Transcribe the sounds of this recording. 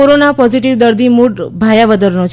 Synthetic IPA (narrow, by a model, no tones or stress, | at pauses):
oɾonapɔziʈiʋd̪əɾd̪imuʈbʱajaʋəd̪əɾnot͡ʃʰ